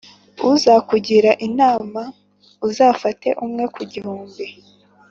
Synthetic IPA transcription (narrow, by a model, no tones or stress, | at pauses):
uzakuɟiɾaʔinaːma | uzaːfate̞̰ʔumŋe̞kuɟihuːmbi